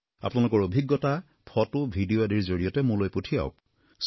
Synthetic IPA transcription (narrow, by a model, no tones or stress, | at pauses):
a̰pʊnalʊkɔɹobʱiɡːɔta | pʰɔtʊbʱidioadiɹzoɹijɔtɛmulojputʰija̰ʊk̚ | s